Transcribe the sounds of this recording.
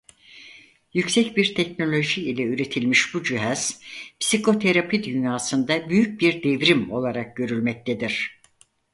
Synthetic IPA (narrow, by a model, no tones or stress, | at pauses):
jycsɛcbiɾt̪ʰɛcno̞lʲo̞ʒiilʲɛyɾe̞t̪ʰilʲmiʃbud͡ʒyɦɛz̥pʰi̥sikʰo̞t̪ʰeɾapʰid̪ynjaːsɯnd̪abyjyc̚biɾd̪evɾimo̞lˠaɾak̚ɟø̞ɾylʲmɛc̚t̪ʰed̪iɾ̥